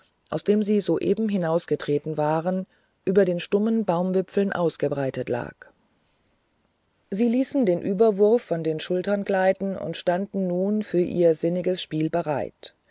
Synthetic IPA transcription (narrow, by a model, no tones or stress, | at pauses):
ʔaʊsd̥eːmziːzoːʔeːbm̩ɦɪnaʊsɡ̥ətʁ̥eːtn̩vaːʁən | ʔyːbɐdeːnʃtʊmənbaʊmvɪpp͡fl̩nʔa̰ʊsɡ̥əbʁaɪtətla̰ːk | ziːliːsn̩deːnʔyːbɐvʊɐfːɔndeːnʃʊltɐnɡlaɪtn̩ʊ̰ntʃtandn̩nuːnfyːɐʔḭːɐzɪnɪɡəsʃpiːlbəʁaɪt